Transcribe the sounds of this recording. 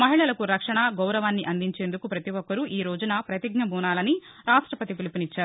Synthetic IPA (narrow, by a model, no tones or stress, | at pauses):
mɐɦiɭɐlɐkuɾɐkʂɐɳɐɡɐwɾɐʋaːnːiʔɐnd̪iɲt͡ʃe̞ːnd̪ukupɾɐt̪iʋɔkːɐɾuʔiːɾoːd͡ʒɐnɐpɾɐt̪iɡnɐbuːnaːlɐni | ɾaːʂʈɾɐpɐt̪ipilipinit͡ʃːaːɾu